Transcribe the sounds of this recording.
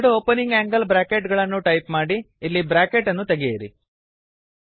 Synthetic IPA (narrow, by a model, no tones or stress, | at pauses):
ɽuoːpɐniŋɡaːŋɡɐlbɾaːkeʈɡɐɭɐnːuʈɐjpmaːɽiː | lːibɾaːkeʈːɐnːut̪eɡejɐɾḭ